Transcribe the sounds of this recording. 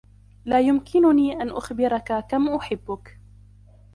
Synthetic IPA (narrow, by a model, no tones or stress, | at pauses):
laːjʊmkʰɪnʊniːʔanʔʊxbɪɾˤɑkakamʔʊħɪbːʊk